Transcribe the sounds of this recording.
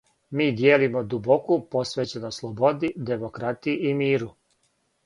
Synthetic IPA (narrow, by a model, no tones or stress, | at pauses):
miːd̪jeːlimod̪ubokupo̞sʋeːt͡ɕe̞noslˠobo̞d̪id̪e̞mo̞kɾat̪iiʔimiːɾu